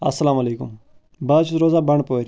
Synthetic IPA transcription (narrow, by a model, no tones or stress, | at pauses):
ɐ̰sːəlaːmɐleːkʊ̰m | baːt͡ʃʰuzɾoːzaːbəɳpoːɾ